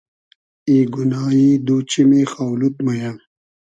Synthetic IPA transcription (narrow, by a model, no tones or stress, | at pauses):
eːɡunaːjiːd̪uːt͡ɕimexaːwlut̪̚mɐja